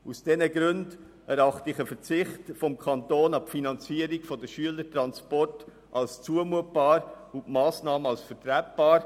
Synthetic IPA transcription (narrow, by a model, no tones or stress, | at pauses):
usd̥ɛnəɡɾʉnd | ɛɾɑχtəɪχəfəɾt͡sɪχtfɔmkʰɑntoːnɑpfinɑnt͡siːəɾiɡfɔdəʃyələtɾɑnspɔrt | ʔɑlst͡suəmuət̚b̥ɑːɾ | ʊntmɑːsnɑːməɑlsfəɾtɾæp̚b̥ɑːɾ